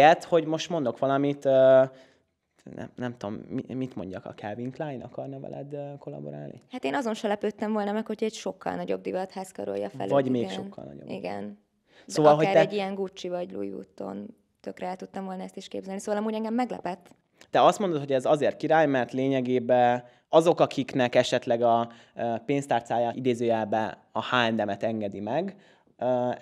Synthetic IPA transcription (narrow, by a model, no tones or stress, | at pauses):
ɛt̪hoɟmo̞ʃt̪mond̪o̞kʋɒlɒmit̪øː | nɛ̰nɛmt̪uomimit̪mo̞̰ɲɟɒkɒ̰kɛviŋklaːjnʔɒ̰kɒrnɒvɛ̰lɛ̰d̪øko̞lɒ̰bo̞̰ɾa̰ːlnḭhaːt̪eːnɒzo̞nʃɛlɛpøːt̪ːɛɱvo̞lnɒmɛkho̞cʰɛcʃo̞kːɒ̰lnɒɟo̞bd̪ivɒt̪haːskɒ̰ɾo̰jɒ̰fɛ̰lvɒɟmeːʃokːɒ̰lnɒ̰ɟo̰ḭɡɛ̰n | sdoːvɒlɦaːɾɛɛɟːijɛŋɡut͡ʃːivɒɟlṵjvṵːt̪ːo̰n | t̪økrɛɛlt̪ut̪ːɒɱvo̞lnɒɛst̪iʃkḛːbzɛlnisoːvɒlɒmuːɟɛŋɡɛmːɛɡlɛ̰pɛt̪ː | t̪ɛɒst̪mo̞nd̪ot̪hoɟɛzɒzeːrt̪kiɾaːjmɛrt̪leːɲɛɡeːbɛ | ɒzo̞kɒkʰiknɛkɛʃɛt̪lɛɡɒ | peːnst̪aːrt̪saːjaːid̪eːzøːɛlbɛ | ɒhaːld̪ɛmɛt̪ɛŋɡɛd̪imɛɡ